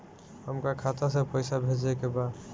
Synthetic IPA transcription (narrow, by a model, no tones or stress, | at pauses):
ɦəmkakʰat̪asepəjsabʱed͡ʒekeba